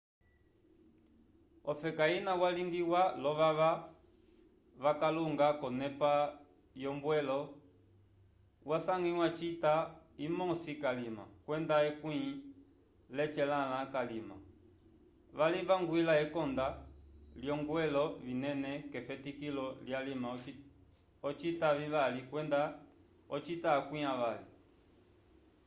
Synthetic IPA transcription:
ɔfɛkainawaliŋɡiwalɔʋaʋa | βakaluŋɡakɔnɛpa | jɔmbwɛlɔ | wasaŋiwat͡ʃitaimɔsikalima̰kwɛndaɛkwĩ | lɛt͡ʃɛlalakalima̰ | ʋalivaŋɡwilaɛkɔndaljɔŋɡwɛlɔvinɛnɛkɛfɛtikilɔljalima | ɔt͡ʃitaviβalikwɛnda | ɔt͡ʃitakwĩaʋalḭ

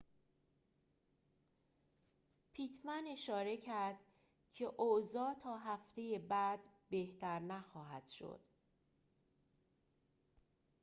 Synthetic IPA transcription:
pʰiːt̪ʰmæne̞ʃɒːɾe̞cʰæɾd̪̥ | cʰe̞ʔozɒːt̪ʰɒːɦæft̪e̞je̞bæd̪̥be̞ht̪ʰæɾnæxɒːɦæd̪̥ʃo̞̰d̪̥

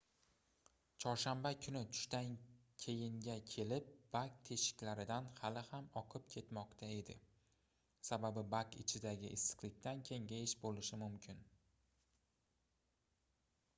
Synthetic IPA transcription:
t͡ʃʰɒɾʃambakʰʊnɪt̪ʰʊ̥ʃt̪ankʲʰe̞jɪŋɡʲakʲʰe̞lɪp̚b̥ak̚t̪ʰe̞ʃɪ̥kʲlaɾɪd̪anhalɪhamɒqʰɨp̚kʲʰe̞t̪mɒqt̪ʰae̞d̪ɪ̰ | sababɪbakɪ̰t͡ʃʰɪd̪aɡʲɪʔɪsɨ̥qlɪk̚ʲt̪ankʲʰe̞ŋɡʲajɪʃbolɪʃɪmʊmkʲʰɪn

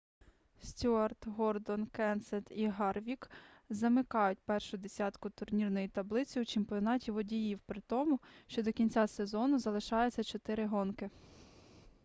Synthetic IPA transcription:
sʲtʲuɐrt̪ɦɔrd̪ɔnkɛnsɛt̪iɦɑrʋʲikzɐmɪkɑjʊt̚ʲpɛrʃʊd̪esʲɑt̪kʊt̪ʊrnʲirnɔjit̪ɐblˠɪt͡sʲiut͡ʃɪmpʲiɔnɑtʲiʋɔdʲijiwpɾɪt̪ɔmʊʃt͡ʃɔd̪ɔkʲinʲt͡sʲasezɔnʊzɐlˠɪʃɑjʊt͡sʲːɐt͡ʃɔt̪ɪɾɪɦɔnkɪ

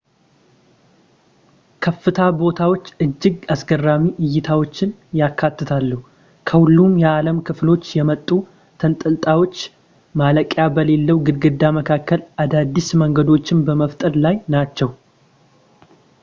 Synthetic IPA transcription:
kʰəfːɨt̪ʰabo̞t̪ʰawo̞t͡ʃːɨd͡ʒːɪɡasɡərːamiʔɪjːɪt̪ʰawo̞t͡ʃːɪnjakʰːat̪ːɨt̪ʰalːuhu | kʰəhulːumjɛaləmkʰɨflo̞t͡ʃːjɛmət̪ʼːu | t̪ʰənt̪ʼɨlt̪ʼawo̞t͡ʃː | maləkʼjabəle̞lːəwɡɨd̪ɡɨd̪ːaməkʰakːəlʔad̪ad̪ːisməŋɡəd̪o̞t͡ʃːɪnbəməft̪ʼəɾlajnat͡ʃːɛw

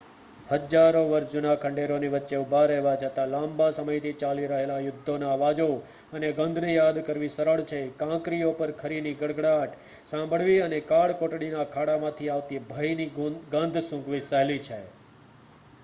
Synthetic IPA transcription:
həd͡ʒaɾoʋəɾʃd͡ʒʊnakʰəɳɖeɾoniʋətːʃeʊbʱaɾɛɦʋat͡ʃʰət̪alãmbasəməjt̪ʰit͡ʃaliɾəɦelajʊd̪ʱːonaʋad͡ʒo | əneɡə̃nd̪ʱnejad̪kəɾʋisəɾəɭt͡ʃʰekãkɾijopəɾkʰəɾiniɡəɽɡɽaʈʰ | sãmbʱəɭʋiənekaɭkoʈɽinakʰaɽamãt̪ʰiaʋt̪ibʱəjniɡənd̪ʱsũkʋisəɦlit͡ʃʰe

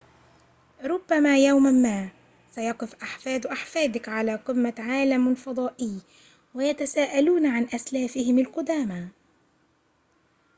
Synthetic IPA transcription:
ɾˤʊbːamaːjawmamːaː | sajɑqɨfʔaħfaːd̪ʔaħfaːd̪ɪkʕalaːqɨmːaʕaːlamlfɑd̪ˤɑːʔɪj | wajat̪asaːʔaluːnʕanʔaslaːfɪhɪmalqʊd̪aːma

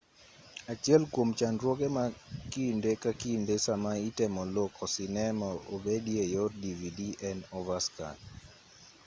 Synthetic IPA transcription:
at͡ʃiɛlkwomt͡ʃandɾwoɡemakindekakindesamaitɛmɔlokʰɔsinɛmɔobediejɔtdividiɛnɔvaska̰n

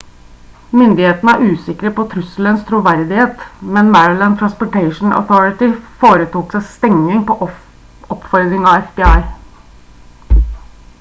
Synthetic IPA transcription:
mʏnd̪ɪheːt̪ənəæɾʉːsɪkɾəpɔt̪ʰɾʏsl̩ənst̪ʰɾuʋæɾd̪ɪheːt̪mɛnmæɹəlænt̪ʰɾɑnspɔʈæɪʂn̩ɔ̰θɔɹɪt̪ɪfoːɾət̪ʰuːksæɪst̪ɛŋnɪŋpɔʔ | ɔpfɔɾd̪ɾɪŋɑʋɛfbɪːɑɪ

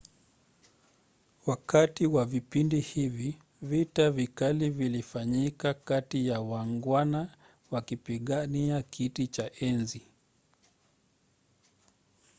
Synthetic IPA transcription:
wakatiwavipindihivi | vitavikalivilifaɲikakatijawaŋɡwana | wakipiɠaniakʰitit͡ʃaʔɛnzi

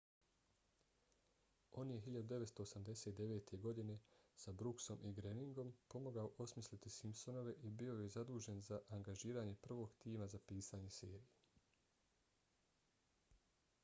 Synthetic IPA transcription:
o̞ːnje̞ɦiʎad̪ud̪e̞ʋet̪st̪o̞ːsamd̪eseːt̪̚d̪e̞ʋe̞ːt̪ʰe̞ɡo̞d̪ine̞sabɾukso̞mʔiɡɾeniŋɡo̞mpo̞moɡaoʔo̞smislit̪isimpso̞no̞ʋe̞ʔibio̞jezad̪uːʒe̞nzaʔaŋɡaʒiːɾaɲe̞pr̩ʋo̞ːɡt̪iːmazapiːsaːɲe̞seːɾije

